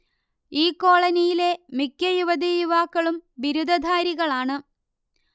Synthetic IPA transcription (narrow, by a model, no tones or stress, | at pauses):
iːkːo̞ːɭɐnijile̞mikʲːɐjuʋɐd̪ijuʋaːkːɐɭumbiɾud̪ʱɐd̪ʱaːɾiɣɐɭaːɳɨ